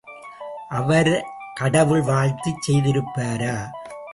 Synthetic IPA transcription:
ʔɐʋɐɾkɐɽɐʋɯɭʋaːɻt̪it͡ʃsɛjðɪɾɯpːaːɾaː

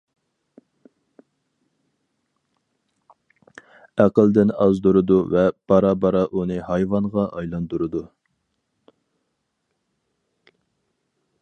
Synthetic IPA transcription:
æqəlˠd̪ɪnɑzd̪uɾɨd̪uvɛb̥ɑɾɑbɑɾɑʔunɨhɑjvɑnʁɑʔɑjlˠɑnd̪uɾɨd̪u

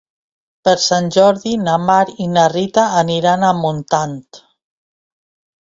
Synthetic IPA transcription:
pəɾsanʲʒɔɾðinamaɾinarit̪aːniɾanamunt̪ant̪

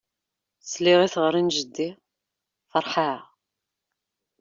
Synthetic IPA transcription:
sliʁiθʁəɾinʒəd̪ːi | fəɾˤħa

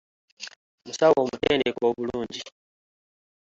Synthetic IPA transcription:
musawwomutɛːndɛkwoβuluːɲɟi

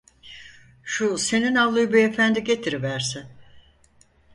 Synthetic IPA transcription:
ʃuse̞ninalˠːɯjɯbiefænd̪iɟe̞t̪ʰiɾivæɾsɪn

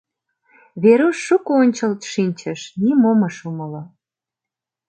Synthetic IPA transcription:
βeɾuʃːukoonʲt͡ɕəlt̪ʃinʲt͡ɕəʃnimoməʃuməlo

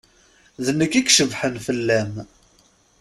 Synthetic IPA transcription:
ðənːəkːikʃəvħənfəlːæm

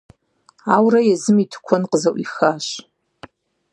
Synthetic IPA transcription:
awrajazɨmitʰkʷʰanqʼəzawʷixaʃ

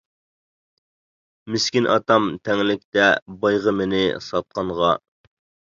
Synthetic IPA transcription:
mɪskʲinʔɑ̰t̪ɑmt̪ʰɛŋlɪkʲt̪ɛbɑjʁəmɪnɪsɑt̪̚qɑɴʁɑ

